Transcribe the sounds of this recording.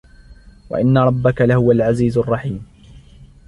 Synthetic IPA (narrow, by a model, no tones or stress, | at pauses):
wa̰ʔɪnːaɾˤɑbːakalahʊwalʕaziːzʊrˤːɑħiːm